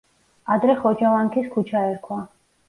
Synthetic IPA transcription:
ad̪ɾɛχɔd͡ʒavaŋkʰiskʰut͡ʃʰaɛɾkʰwa

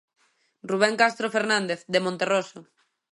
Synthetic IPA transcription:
ruβ̞ɛŋkast̪ɾofeɾnand̪eθd̪emõnt̪eroso

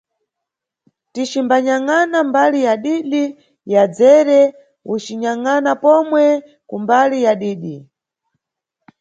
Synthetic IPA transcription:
tit͡ʃimbaɲaŋanambalijaɗiɗi | jad͡zɛɾɛ | ut͡ʃiɲaŋanapɔmwɛ | kumbalijaɗiːɗi

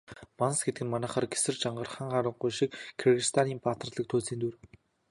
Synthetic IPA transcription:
mansɡet̪ɘɡɘ̆nmanæːχaːrɡesɘ̆rt͡ɕaɴɢə̆rχaːɴχaɾə̆ɴɢujʃikkʰːerɣist̪ʰaniːmpat̪ə̆rɮə̆k̚t̪ʰuːsiːnt̪ur

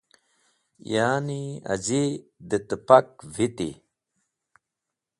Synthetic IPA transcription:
jaːnia̰zid̪ət̪əpak̚vit̪ḭ

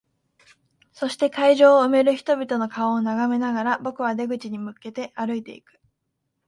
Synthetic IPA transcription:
so̞ɕi̥t̪e̞kaiʑo̞ːɯ̟me̞ɾɯ̟çi̥t̪o̞bʲit̪o̞no̞kaoːnaɡame̞naɡaɾabo̞kɯ̟β̞ad̪e̞ɡɯ̟t͡ɕiɲ̟imɯ̟ke̞t̪e̞ʔaɾɯ̟it̪e̞ḭkɯ̟̥

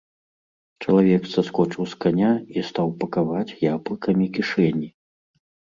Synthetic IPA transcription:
t͡ʂɐlˠavʲɛksɐskɔt͡ʂɨwskanʲaist̪awpɐkavat͡sʲjablˠɨkɐmʲikʲiʂɛnʲi

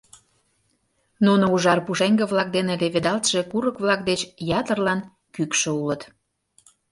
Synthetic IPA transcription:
nunouʒɑrpuʃeŋɡeβlɑk̚d̪eneleβed̪ɑlt̪ʃekuɾəkβlɑkd̪et͡ɕjɑt̪ərlɑn | kykʃĕulət̪

